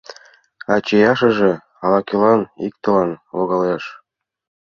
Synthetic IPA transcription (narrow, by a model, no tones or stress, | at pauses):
ɑt͡ɕejɑʃɤ̆ʒĕ | ɑlɑkʲelɑnik̚t̪ɤ̆lɑnloɣɑljɑʃ